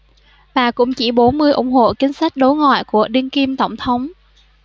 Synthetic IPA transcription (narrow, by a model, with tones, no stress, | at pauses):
vaː˨˩kʊ̰˧˥ŋ͡mt͡ɕi˧˩ɓo˨˦nmɨ˧əjʔʊ̰˧˩ŋ͡mɦho̰˧˨kï˨˧˦ŋ̟sa˦˥jk̟̚ɗo˨˦jŋa̰ː˧˨jku˧˩əɗi˧ənki˧mt̪ə˧˩wŋ͡mt̪ʰə˨˦wŋ͡m